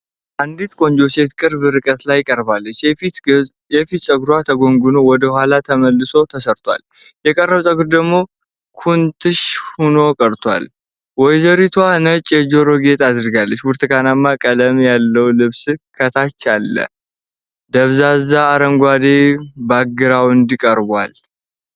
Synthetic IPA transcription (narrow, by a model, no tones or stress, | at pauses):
ʔand̪it̪kʼo̞ɲd͡ʒo̞se̞t̪kʼɨɾbɨɾɨkʼət̪lajːkʼəɾbalːət͡ʃː | jɛfit̪sʼəɡɾwat̪ʰəɡo̞ŋɡunowɔd̪əhʷalat̪ʰəməlːɨso̞t̪ʰəsəɾt̪ʰwʷa̰l | jɛkʼərːəβsʼəɡɾd̪əɡmo̞ | kʰunt̪ʰɨʃhuno̞kʼəɾt̪ʰwa̰l | wɔjzəɾit̪ʰwanət͡ʃʼjɛd͡ʒo̞ɾo̞ɡe̞t̪ʰad̪ɨɾɡalːət͡ʃːbuɾt̪ʰɨkanamːakʼələmjalːəwlɨβskʰət̪ʰat͡ʃːalːə̰ | d̪əβzazaːɾəŋɡʷad̪ebaɡːɨɾawɨnd̪ikʼəɾba̰l